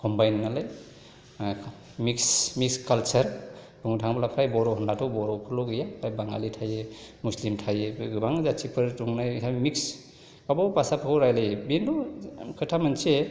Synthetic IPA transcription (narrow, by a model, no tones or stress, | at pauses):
kɔmbajnnalaj | miksmikskalt͡ʃɐɾ | b̥uŋtʰaŋbalapʰɾajbɔɾɔhɔndatʰɔwbɔɾɔkʰɯlɔɡɯjapʰɾajbaŋɡa̰litʰajemuslimtʰajeɡbaŋzat͡ʃipʰɯɾtuŋnajsamiks | kabɔpasapʰakʰowɾajlejbendɔkʰɯtʰamanse